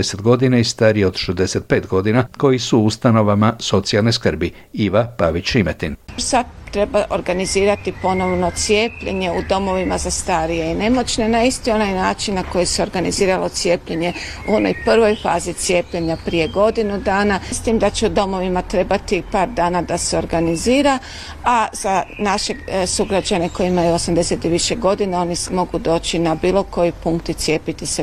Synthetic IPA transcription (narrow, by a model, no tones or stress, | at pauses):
eset̪ɡo̞d̪inaist̪aɾieod̪ʃezd̪eset̪̚pe̞ːt̪ɡo̞d̪inako̞jisuust̪ano̞ʋamaso̞t̪sialneskr̩bi | iʋapaʋit͡ɕimet̪insat̪ːɾe̞baʔoɾɡaniziːɾat̪ipo̞no̞ʋno̞t̪sije̞ːpʎe̞̰ɲe̞ud̪o̞mo̞ʋimazast̪aɾije̞ine̞mo̞t͡ʃnenaist̪io̞najnaːt͡ʃinːako̞jiseo̞ɾɡaniziːɾalo̞t̪sje̞ːpʎe̞ɲe̞ | uo̞no̰jpr̩ʋo̞jfa̰ːzit̪sje̞ːpʎe̞ɲapɾije̞ɡo̞d̪inud̪aːnast̪iːmd̪at͡ɕeud̪o̞mo̞ʋimat̪ɾe̞bat̪ipaːɾd̪aːnad̪aseo̞ɾɡaniziːɾa | az̥anaʃe̞suɡɾad͡ʑane̞ko̞jiimajuosamd̪e̞set̪iʋiʃeɡo̞d̪inao̞ːnimo̞ɡud̪o̞ːt͡ʃinabiːlo̞ko̞jipuŋkt̪it̪sje̞ːpit̪ise